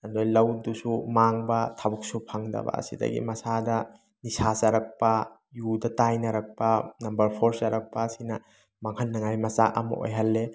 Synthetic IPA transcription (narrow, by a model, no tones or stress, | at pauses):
ɐndojlɐwdusumaŋbɐtʰabuk̚supʰaŋdɐ̰bɐ̰ːsḭdɐ̰ɡḭmɐsadɐ | nisasɐɾɐk̚pɐ | judɐtajnɐɾɐk̚pɐnɐmbɐɾpʰoɾsɐɾɐk̚pɐsinɐ | maŋhɐnːɐŋajmɐsa̰ʔɐmɐ̰ʔo̰jɦɐlːe